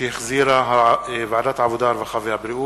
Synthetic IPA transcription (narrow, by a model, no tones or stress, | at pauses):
ixziːɾaɦavaʕd̪aːt̪ʕabud̪ɑːɾˤvaxavihabɾiʔu